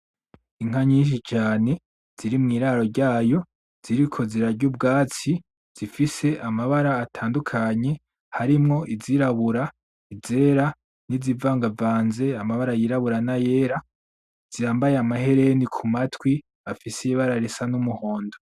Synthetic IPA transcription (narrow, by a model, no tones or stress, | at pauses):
iŋ̥aɲiːnʃ̬it͡ʃaːne̞ | z̥iɾimŋiːɾaɾo̞ɾɟaːjo̞ | z̥iɾikʰo̞ziɾaɾɟub̚ɡaːt͡si | z̥ifise̞ʔamaβaɾaːtʰaːndukʰaɲe̞ | haɾimŋo̞ʔiziɾaβuɾa | ize̞ɾa | nizivaːŋɡavaːnze̞amaβaɾajiɾaβuɾanaje̞ːɾa | z̥ijaːmbajeamaɦe̞ɾe̞nikʰumatwi | afiseiβaɾaɾesanumuho̞ːndo